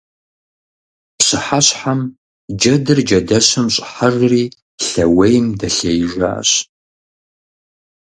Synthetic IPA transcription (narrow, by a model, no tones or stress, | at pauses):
pɕɨħaɕħam | d͡ʒɐdɨrd͡ʒɐdɐɕɨmɕʼħarriː | ɬɐwejmdɐɬejʒʷa̰ɕ